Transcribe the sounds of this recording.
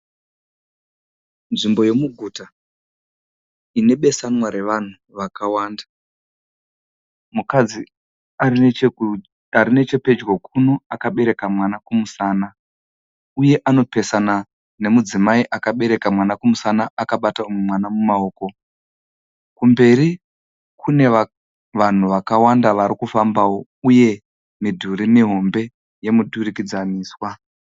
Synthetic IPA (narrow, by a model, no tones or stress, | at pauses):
nʐimbo̞je̞muɡʱuːta | ine̞ɓe̞sanwaɾe̞ʋan̤u | ʋakawaːnda | mukad͡zi | aɾine̞t͡ʃe̞pe̞d͡ʒɡokʰuno̞akaɓe̞ɾe̞kamwanakumusaːna | uje̞ʔano̞pe̞sana | ne̞mud͡zimaiʔakaɓe̞ɾe̞kamwanakumusanaakaɓataumwemwanamumao̞ːko̞ | kumbe̞ɾi | kʰune̞ | ʋan̤uʋakawandaʋaɾikufambawo̞ | uje̞ | midʱuɾimiɦo̞mbe̞ | je̞mudʱurikid͡zaniːswa